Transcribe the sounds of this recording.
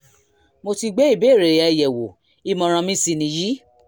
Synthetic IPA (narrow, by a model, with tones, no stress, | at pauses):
mo˧ti˧ɡ͡be˦i˦˨be˨˦˨ɾe˨ɛ˧˨jɛ˨wo˨ | i˦˧mɔ̃˧ɾ̃ã˧mĩ˦si˧nĩ˧ji˦